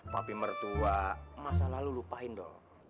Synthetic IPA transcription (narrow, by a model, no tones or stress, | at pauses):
ma̰pimərt̪uamasalalulupaɦɪnd̪ɔ̰